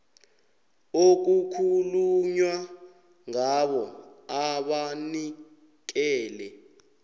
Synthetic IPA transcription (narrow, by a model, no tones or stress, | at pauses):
ok̬ukʰuluɲwa | ŋaɓɔaɓani | k̬ɛːlɛ